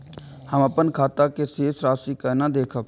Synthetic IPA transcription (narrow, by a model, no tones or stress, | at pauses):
həməpənkʰaːt̪akeseːsɾaːsikanad̪eːkʰəp